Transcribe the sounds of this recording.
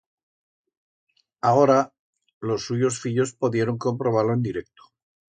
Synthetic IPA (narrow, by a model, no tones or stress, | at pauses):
ao̞ɾa | lo̞sːuʝo̞sfiʎo̞spo̞ðje̞ɾo̞ŋko̞mpɾo̞β̞aɾlo̞e̞nd̪iɾe̞k̚t̪o̥